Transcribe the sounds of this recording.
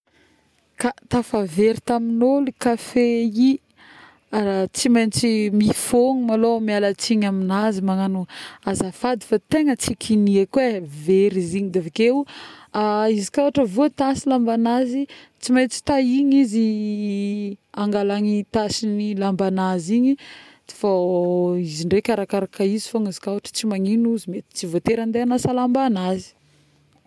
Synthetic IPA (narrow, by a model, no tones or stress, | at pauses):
kat̪afaveɾit̪aminolikafei | aɾat͡simajnt͡simifoŋimalomialat͡siɲaminazimaŋanuazafad̪ifat̪eŋət͡sikʰiniekweveɾiziɲid̪evakewaizikʲawaʈ͡ʂəvot̪asilambanazit͡simajt͡si̥t̪aiɲizi | aŋɡalaŋit̪asinilambanaziɲi | t͡si̥fa | iziɳɖ͡ʐekʲaɾakaɾakəizifoŋizikawaʈ͡ʂə̥t͡simaŋinuzimet̪i̥t͡sivot̪eɾand̪eanasalambanazi̥